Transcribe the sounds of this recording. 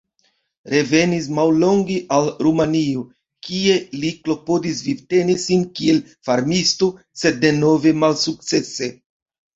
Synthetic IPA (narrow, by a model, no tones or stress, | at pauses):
ɾe̞ve̞nis̬mawlo̞ŋɡeʔalɾumanio | kie̞liklo̞po̞dis̬vibte̞nisinkie̞l | faɾmisto | se̞dːe̞no̞ve̞malsuk̚t͡se̞se̞